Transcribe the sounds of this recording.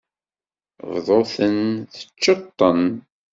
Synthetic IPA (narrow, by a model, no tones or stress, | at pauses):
vðˤoθənθə̥t͡ʃːət̪ˤːən